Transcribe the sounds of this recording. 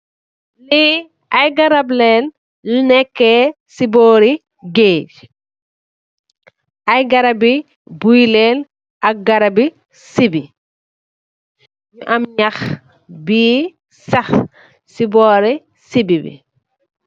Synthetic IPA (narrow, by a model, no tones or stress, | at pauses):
li | ɐjɡɐɾablɛlː | nɛkːɛ | sibɔːɾi | ɡeːd͡ʒ | ʔɐjɡɐɾɐbi | bujlɛːl | ʔɐk̚ɡɐɾabi | sibi | juʔɐmɲɐx | biː | sɐx | sibɔːɾi | sibibḭ